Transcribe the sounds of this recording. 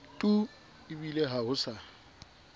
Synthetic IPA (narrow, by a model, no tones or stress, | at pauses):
tʼu | ɪbileɦaɦʊsa